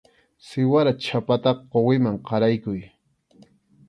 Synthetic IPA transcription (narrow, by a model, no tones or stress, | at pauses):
sɪwaɾat͡ʃʰapat̪ɑqowɪmaŋqɑɾajkʊj